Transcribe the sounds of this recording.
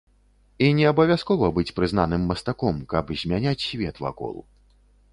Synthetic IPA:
inʲɛɐbɐvʲaskɔvɐbɨt͡sʲpɾɨznanɨmːɐst̪akɔmkɐbzʲmʲanʲat͡sʲsʲvʲɛt̪va̰kɔ̰lˠṵ

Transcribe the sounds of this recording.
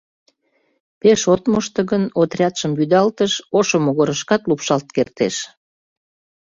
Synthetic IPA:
peʃot̪moʃt̪ə̆ɣənot̪rʲɑt̪ʃəmbyd̪ɑlt̪əʃoʃomoɣoɾəʃkɑt̪lupʃɑlt̪̚kert̪eʃ

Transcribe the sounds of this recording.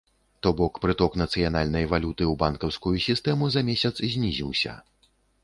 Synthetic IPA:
t̪ɔbɔkpɾɨt̪ɔknɐt̪sɨjanalʲnɐjvalʲut̪ɨwbankɐwskujusʲist̪ɛmuzɐmʲesʲɐt̪szʲnʲizʲiwsʲɐ̰

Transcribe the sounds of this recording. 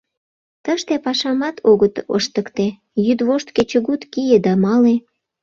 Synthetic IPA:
t̪əʃt̪epɑʃɑmɑt̪ʰoɣət̪ə̰ʃt̪əkt̪e | jyd̪βoʃt̪ket͡ɕəɣut̪kijed̪ɑmɑle

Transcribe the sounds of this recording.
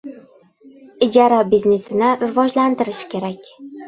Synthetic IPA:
ɪd͡ʒɒɾabizne̞sɪnɪɾɪvɒd͡ʒlant̪ɪɾɪʃkʲʰe̞ɾakʲ

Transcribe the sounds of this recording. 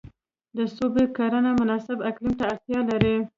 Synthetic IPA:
d̪əsobekaɾanamʊnɑsɪbaklimt̪aːɾt̪jɑlaɾi

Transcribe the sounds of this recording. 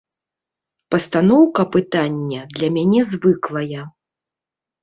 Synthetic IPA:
pɐst̪anɔwkɐpɨt̪anʲːɛd̪lʲɐmʲanʲɛzvɨklˠɐjɐ

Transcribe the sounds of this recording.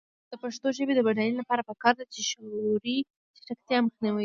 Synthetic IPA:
d̪̥əpaʂt̪oʒəbed̪əbaɽanilapɑɾapəkɑɾd̪at͡ʃeʃoɾi | t͡ʃɪ̥ʈakt̪jɑməxniwi

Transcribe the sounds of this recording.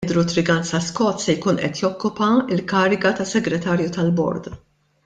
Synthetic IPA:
d̪ɾut̪ɾɪɡɐnsɐskɔːt̪sɛjkuːnʔɛ̰t̪jɔkːʊpɐɪlkɐːɾɪɡɐt̪ɐsːɛɡɾɛt̪ɐːɾjut̪ɐlbɔ̰ɾd̪

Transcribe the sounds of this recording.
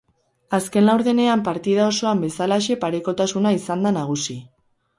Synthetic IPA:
aske̞nlawɾðe̞ne̞ampaɾt̪ið̞ao̞so̞ambe̞salaʃ̬e̞paɾe̞ko̞t̪asunaisand̪anaɣ̞usi

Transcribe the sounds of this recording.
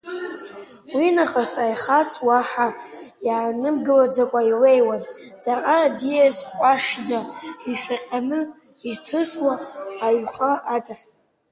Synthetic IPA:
winaχasajχat͡sʰʼwaħajaʕanɨmɡɨlad͡zakʷʼailejwand͡zʼaqʼadijazħʷʼaʂd͡zaħiʃʷᶣaqʲʼanɨ | iztʰɨswaːɥχʼaʔatʼaχ

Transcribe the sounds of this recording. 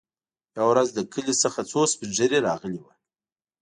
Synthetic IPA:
jawɾazd̪əkəlisəxat͡sospəʒəɾeɾɑɣəliwa

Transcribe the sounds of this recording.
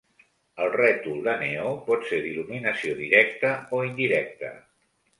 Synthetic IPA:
əlˠrɛt̪uləneopɔt̪seðiluminəsioðiɾɛk̚t̪əoind̪iɾɛk̚t̪ə̰

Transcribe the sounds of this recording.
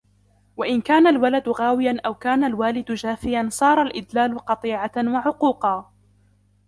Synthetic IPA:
waʔɪnkaːnalwalad̪ʊɣaːwɪjanʔawkaːnalwaːlɪd̪ʊd͡ʒaːfɪjansˤɑːɾˤɑlʔɪd̪laːlʊqɑt̪ˤiːʕawaʕʊquːqɑː

